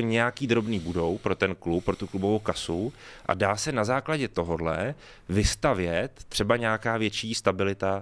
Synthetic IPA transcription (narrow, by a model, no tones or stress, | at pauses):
ɲɛjakiːd̪ɾo̞bniːbudo̞wpɾo̞t̪ɛnklupːɾo̞t̪uklubovowkasuʔa̰daːsɛnazaːklaɟɛt̪o̞ɦodlɛ̰ | vɪst̪avjɛt̪ːr̥ɛbaɲɛjakaːvjɛt͡ʃiːst̪abɪlɪt̪a